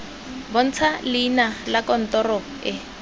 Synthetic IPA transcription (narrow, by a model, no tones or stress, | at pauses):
bɔn̩t͡sʰalinalakɔn̩tɔrɔ | ɪ